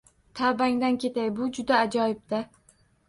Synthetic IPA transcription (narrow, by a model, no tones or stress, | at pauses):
t̪ʰabaŋd̪ankʲʰe̞t̪ajbʊd͡ʒʊd̪aːd͡ʒɒjɪb̚d̪a